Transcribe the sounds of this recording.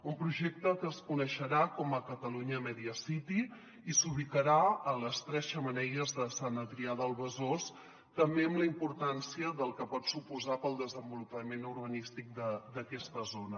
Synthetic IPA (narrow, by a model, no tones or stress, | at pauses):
umpɾuʒɛk̚t̪əkəːskunəʃəɾakɔməkət̪əluɲəmɛðiəsit̪i | isuβik̪əɾaələst̪ɾɛz̥ʃəmənɛjəzðəsanət̪ɾiaðəlˠβəzos | t̪əmbeəmləimpuɾt̪ansiəðəlˠkəpɔt̪supuzapəlˠd̪əzəmbulupəmenuɾβənist̪ik̚d̪əd̪əkɛst̪əzonə